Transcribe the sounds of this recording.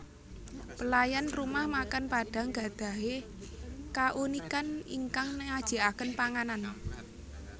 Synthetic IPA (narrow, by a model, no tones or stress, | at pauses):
pəlajanrumahmakanpaɖ̥a̤ŋɡa̤d̪̥a̤ɦe | kaʔunikanḭŋkaŋnəŋad̥ʒ̥i̤ʔakənpaŋanan